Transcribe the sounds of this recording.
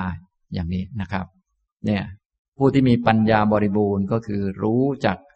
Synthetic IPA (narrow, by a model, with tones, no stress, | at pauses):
j | jaː˨˩ŋniː˦˥na˦˥kʰa˦˥p̚ | ni˥˩ɐ | pʰuː˥˩t̪ʰiː˥˩miː˧pa˧njaː˧bɔː˧ɾi˦˥buː˧nkɔː˥˩kʰɯː˧ɾuː˦˥t͡ɕa˨˩k̚